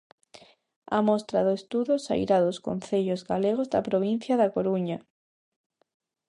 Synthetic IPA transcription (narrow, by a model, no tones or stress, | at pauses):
amɔst̪ɾaðʊest̪uðosa̰ḭɾaðoskon̟θeʎozɣaleɣ̞ozða̰pɾoβ̞in̟θjaðakoɾuɲa